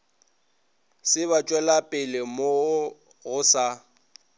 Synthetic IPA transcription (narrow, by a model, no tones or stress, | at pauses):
sɪβat͡ʃʼwɛlapʼɪlɪmo | ɣʊsa